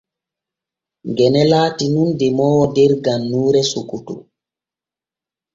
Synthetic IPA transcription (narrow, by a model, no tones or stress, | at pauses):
ŋɡɛnɛlaːtinundɛmɔwɔdɛɾɡanːuːɾɛsukutṵ